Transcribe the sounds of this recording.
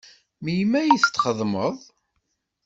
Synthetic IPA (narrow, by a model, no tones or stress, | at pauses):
mijmæjiθt̪ːχəðˤməðˤ